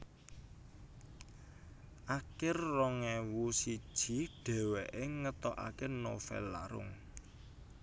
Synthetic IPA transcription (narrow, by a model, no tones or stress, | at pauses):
ʔakɪrːɔŋɛwusid̥ʒ̥i̤ɖ̥ɛ̤wɛʔeŋət̪ɔʔa̰keno̰fɛ̰lːa̰ɾʊ̰ŋ